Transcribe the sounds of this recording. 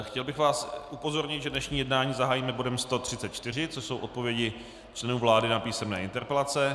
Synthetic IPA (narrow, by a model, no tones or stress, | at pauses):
xcɛlbɪxvaːsupo̞zo̞ɾɲɪt̪ʒɛdnɛʃɲiːjɛdnaːɲiːzaɦaːjimɛbo̞dɛmst̪o̞t̪r̝̥ɪtt͡sɛt̪t͡ʃt̪ɪr̝ɪt͡soso̞wʔo̞t̪̚po̞vjɛɟɪ | t͡ʃlɛnuːvlaːdɪnapiːsɛmnɛːʔɪnt̪ɛɾpɛlat͡sɛ